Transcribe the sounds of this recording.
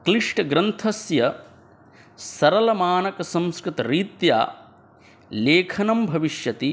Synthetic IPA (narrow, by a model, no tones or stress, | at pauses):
kliʂʈɐɡɾɐnt̪ʰɐsjɐ | sɐɾɐlɐmaːnɐkɐsɐmskɾit̪ɐɾiːt̪ja̰ː | leːkʰɐnɐmbʱɐʋiʂjɐt̪i